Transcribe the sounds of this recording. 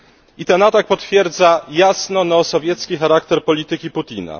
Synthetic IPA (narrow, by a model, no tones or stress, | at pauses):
it̪ɛnat̪ak̚pɔt̪fʲjɛɾd̪zajasnɔnasɔvʲjɛt̪skʲixaɾakt̪ɛɾpɔlʲit̪ɘkʲiput̪ʲina̰